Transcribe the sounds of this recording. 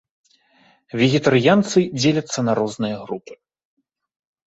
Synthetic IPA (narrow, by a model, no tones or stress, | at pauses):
vʲɛɣʲɛt̪aɾjant̪sɨd͡zʲelʲɐt̪sːɐnɐɾɔznɨjɐɣɾupɨ̥